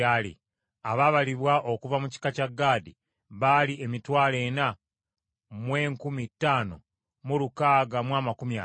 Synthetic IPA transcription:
alḭ | aβaβaliβwaʔo̞kuvamuci̥kacaɡːaːdi | βalie̞mitwaːle̞ːna | mwe̞ːŋkumitːaːno̰ | mulukaːɡamwaːmakumja

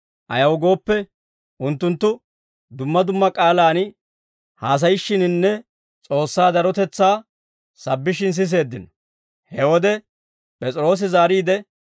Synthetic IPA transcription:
ʔɐ̰jɐwɡo̞ːpːɛ | ʊnt̪ːʊnt̪ːʊ | d̪ʊmːɐd̪ʊmːɐkʼaːlaːn | haːs̬ɐjɪʃːɪnɪnːɛ | t͡sʼo̞ːsːaːd̪ɐɾɔt̪ɛt͡sːaː | sɐbːɪʃɪns̬ɪs̬e̞ːd̪ːɪnɔ̥ | hɛwɔd̪ɛ | pʼɛt͡sʼɪɾo̞ːs̬ɪzaːɾiːd̪ɛ

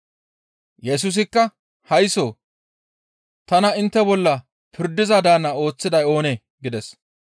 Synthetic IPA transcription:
jɛs̬us̬ɪkːɐ | hɐjsoː | t̪ɐnɐɪnt̪ːɛbɔlːɐ | pʰɪɾd̪ɪzɐd̪aːnːɐo̞ːt͡sːɪd̪ɐjo̞ːneː | ɡɪd̪ɛs

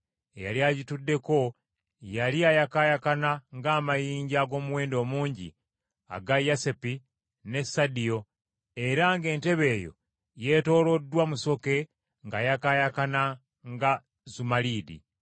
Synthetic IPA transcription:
ja̰liaɟitudːe̞ko̞ | jaliajakajakanaŋɡaːmajiːɲɟaːɡo̞ːmuwe̞ːndo̞ːmuːɲɟḭ | a̰ɡajasepi | ne̞sadijo̞ | e̞ɾaŋɡe̞ːnte̞βe̞ːjo̞̰ | je̞ːto̞ːlo̞dːwamuso̞ke̞ | ŋɡajakajakana | ŋɡa | zumaliːdḭ

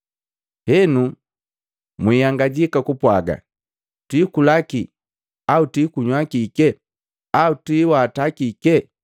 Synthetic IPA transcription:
hɛnu | mwijaŋɡaɟikakupwaɡa̰ | twiːkulaki | autiːkuɲwakikɛ | autwiːwaːtakikɛ

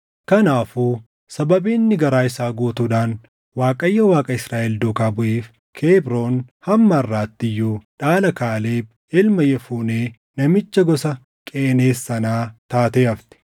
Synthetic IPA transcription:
kɐnaːfuː | sɐbɐbiːnːɪɡɐɾaːɪsaːɡoːt̪uːᶑaːn | waːkʼɐjːɐwaːkʼɐɪsɾaːʔɛld̪oːkaːbʊʔeːf | kʰeːbɾo̞ːnhɐmːɐɐrːaːt̪ːɪjːuːᶑaːlɐkaːleːb | ɪlmɐjɛfuːneː | nɐmɪt͡ʃːɐɡɔsɐ | kʼeːneːsːɐnaːt̪aːt̪eːɐft̪ɛ̥

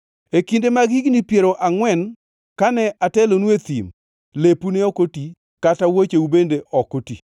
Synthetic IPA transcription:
ekindemaɡiɡnipjeɾoʔaŋwɛn | kanɛʔatɛlonwet̪ḭm | lepunɛɔkoti | katawot͡ʃeubendeʔɔkotḭ

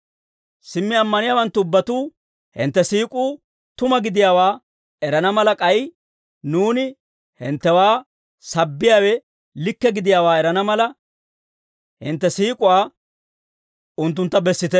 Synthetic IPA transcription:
sɪmːɪɐmːɐnɪjaːwɐnt̪ːʊʊbːɐt̪uː | hɪ̰nt̪ːɛsiːkʼuː | t̪ʊmɐɡɪd̪ɪjaːwaː | ɛɾɐnɐmɐlɐkʼɐj | nuːnɪ | hɪ̰nt̪ːɛwaː | sɐbːɪjaːwɛ | lɪkːɛɡɪd̪ɪjaːwaːɛɾɐnɐmɐlɐ | hɪnt̪ːɛsiːkʼʊwaː | ʊnt̪̬ːʊnt̪ːɐbɛsːɪt̪ɛ

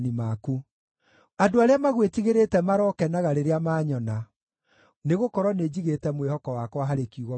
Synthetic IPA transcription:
nimaku | adoaɾeamaɣwetiɣeɾetɛmaɾɔkɛnaɣaɾeɾeamaːɲɔna | neɣokɔɾɔned͡ʑiɣetɛmwehɔkɔwakwaɦaɾekiuɣɔ

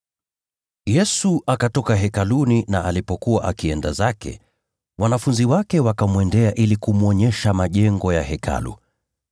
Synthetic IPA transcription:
jɛsuʔakatɔkaɦɛkaluninaʔalipɔkuwaʔa̰kiɛndazakɛ̰ | wanafunziwakɛwakamwɛndɛaʔilikumuɔɲɛʃamaʄɛŋɡɔjahɛkʰa̰lṵ

